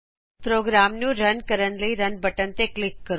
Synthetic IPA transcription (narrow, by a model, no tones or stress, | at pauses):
pɾoɡɾamnũɾənkəɾəɳləiɾənbʱəʈənt̪eklɪkːəɾ